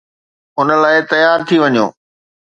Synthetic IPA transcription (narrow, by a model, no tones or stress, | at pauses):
ʊnə̆laːɪt̪ɐjaːɾt̪ʰiʋɐɲo̰ː